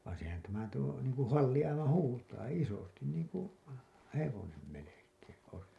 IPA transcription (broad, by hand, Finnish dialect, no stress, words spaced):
ʋɑːn̞ sehæn tæmæ tuo niːŋ kũː hɑlːi ɑiʋɑn huːtɑː isostin niːŋ ku heʋonem melekˑeːẽ ois